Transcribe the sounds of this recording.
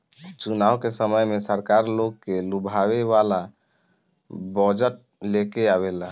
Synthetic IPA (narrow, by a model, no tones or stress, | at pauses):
t͡ʃunawkesəməjmesəɾkaɾlokkːelubʱawebala | bɔd͡ʒəʈ̚lekeaβela